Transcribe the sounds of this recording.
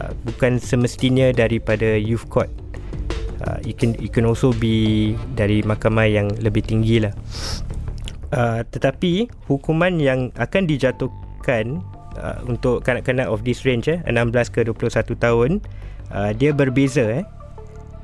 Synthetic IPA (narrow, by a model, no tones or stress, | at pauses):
bukansəməst̪inə̃daɾipadajufkʰɔt̪̚ | ə̰ikɛnit̚kɛnɔlsobidaɾimakamãjaŋləbɪht̪iŋɡilah | ət̪ət̪api | hukumãnjaŋa̰kandid͡ʒat̪u | kan | ə̰unt̪ʊʔkanaʔkanãʔɔfdisrend͡ʒɛə̰nãmblaskəduəplʊsat̪ut̪aɦʊn | ʔədiabərbezaɛ